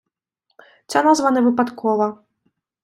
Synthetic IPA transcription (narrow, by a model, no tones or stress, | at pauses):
t͡ssʲanazvanɛvɨpat̪kʰɔvɐ